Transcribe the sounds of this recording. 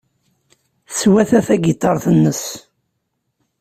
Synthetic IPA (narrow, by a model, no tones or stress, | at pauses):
θswæθæθæɡit̪ˤːɑɾˤθənːəs